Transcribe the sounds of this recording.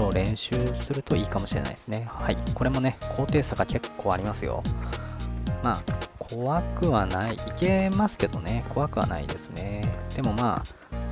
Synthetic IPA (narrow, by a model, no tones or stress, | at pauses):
oɾẽ̞ɰ̃ɕɨːsɨɾɯ̟t̪o̞iːkamo̞ɕiɾe̞̰na̰i̥sɨne̞haiko̞ɾe̞mo̞ne̞kʰo̞ːt̪e̞ːsaɡake̞kʰːo̞ːaɾʲimasɨjo̞̰ | maːkʰo̞βakɯ̟βanaiike̞masɨ̥ke̞d̪o̞ne̞kʰo̞βakɯ̟βa̰na̰ḭd̪e̞sɨne̞d̪̥e̞mo̞maː